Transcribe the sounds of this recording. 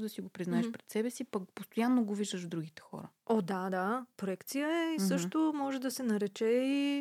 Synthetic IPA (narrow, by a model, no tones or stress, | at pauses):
d̪ɐsiɡopɾiznaɛʃpɾɛt̪sɛbɛsipɐkpost̪ojanːoɡoviʒd̪əʒvd̪ɾuɡit̪ɛ̥xɔ̰ɾəod̪ad̪apɾoɛkt̪sijəɛisɤʃt̪omɔʒɛd̪ɐsɛnɐɾɛt͡ʃɛi